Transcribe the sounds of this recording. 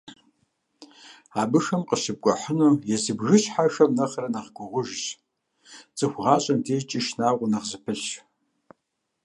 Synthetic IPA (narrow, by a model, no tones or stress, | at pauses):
aːbɨʂɐmqəʃɨb̚kʷʼɔħənuːjɛzɨbʒɨɕħaʂɐmnɐχrɐnɐʁɡʷʊʁʷʊʒɕʼ | t͡sʼɨxʷʁɑːɕʼɐmdeːt͡ʃʼɪʃnaːʁʷʊnɐʁzɨpʰɨɬ